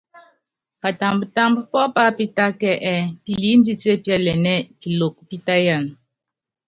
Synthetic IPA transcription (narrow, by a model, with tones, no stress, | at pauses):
ka˨ta˨mbə˨ta˦mbə˦pɔ˦pa˦pi˦ta˦kɛ˦ʔɛ˦ki˨li˨˦n̩˦di˦te˦˨pja˦lɛ˨nɛ˦ki˨lo˨k̚pi˦ta˦ja˦˨n˨